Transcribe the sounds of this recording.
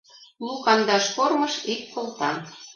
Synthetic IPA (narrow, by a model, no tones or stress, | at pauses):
lukɑnd̪ɑʃkormɤʃikːolt̪ɑm